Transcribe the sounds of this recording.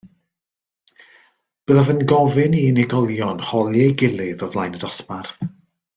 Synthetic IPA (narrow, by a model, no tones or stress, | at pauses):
b̥əːðavənɡɔvɨniɪnɪɡɔlˠjɔnhɔlˠjɛɡɪlˠɪðɔvlˠajnədasparθ